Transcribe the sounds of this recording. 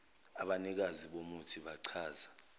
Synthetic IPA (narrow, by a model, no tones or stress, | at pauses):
aɓanik̬aziɓomutʰiɓaǀʰaːza